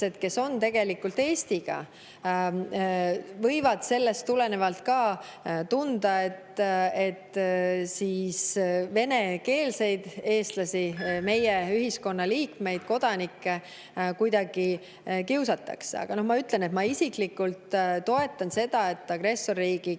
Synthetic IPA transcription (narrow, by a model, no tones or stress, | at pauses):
se̞d̪̥ke̞so̞nt̪e̞ɡ̥e̞likːult̪e̞ːst̪iɡ̥ɑ̰ | vɤ̞jvɑd̪̥se̞lːe̞st̪ːule̞ne̞vɑlt̪kɑːt̪und̪̥ɑe̞t̪e̞t̪ːsiːsve̞ne̞ke̞ːlse̞jd̪̥e̞ːst̪lɑsime̞jeyɦisko̞nːɑliːkme̞jd̪̥ko̞d̪̥ɑnikːe̞ | kujd̪̥ɑɡ̥i | kiuwsɑt̪ːˑɑ̰ksḛɑ̰ɡ̥ɑnohmɑyt̪ˑle̞net̪mɑisiklikult̪t̪ːo̞e̞t̪ːˑɑnse̞d̪̥ɑe̞t̪ːˑɑɡ̥re̞sːo̞rːiːɡ̥i